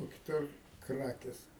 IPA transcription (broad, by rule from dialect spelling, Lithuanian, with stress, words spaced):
oː kʲɪˈtʊr ˈkrɑːkʲeːs